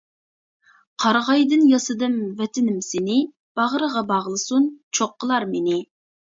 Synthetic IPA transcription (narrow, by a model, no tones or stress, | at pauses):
qʰɑɾʁɑjd̪ɨnjɑsɨd̪ɨmvɛt̪ʰɪnɪmsɪnɪ | b̥ɑʁɾəʁɑbɑʁlˠɨsunt͡ʃʰoqːəlˠɑɾmenɪ